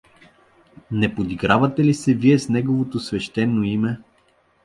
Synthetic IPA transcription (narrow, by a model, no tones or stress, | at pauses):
nɛpod̪iɡɾavɐt̪ɛlisɛviɛsnɛɡovot̪osvɛʃt̪ɛnːoimɛ